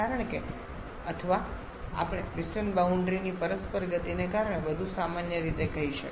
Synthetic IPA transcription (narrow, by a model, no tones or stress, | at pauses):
aɾəɳ̃ke | ət̪ʰəʋa | a̰pɽ̃eɾɪsʈənbauɳɖɾinipəɾəspəɾɡət̪inekaɾəɳ̃ebəd̪ʱusamanjəɾit̪ekəɦiʃə̰k